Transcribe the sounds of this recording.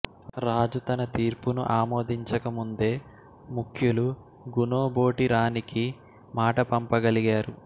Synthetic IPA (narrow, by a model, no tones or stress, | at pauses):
ɾaːd͡ʒut̪ɐnɐt̪iːɾpunuʔaːmo̞ːd̪iɲt͡ʃɐkɐmund̪e̞ː | mukʰjulu | ɡunoːbo̞ːʈiɾaːniki | maːʈɐpɐmpɐɡɐliɡaːɾu